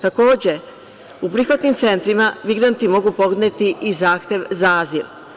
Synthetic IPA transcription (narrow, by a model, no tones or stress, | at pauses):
t̪ako̞ːd͡ʑe̞ | upɾixʋat̪nimt̪se̞nt̪ɾimaʋiɡɾant̪imo̞ɡuːpo̞ɡ̪net̪iʔizaːxt̪je̞ʋzaaːziɾ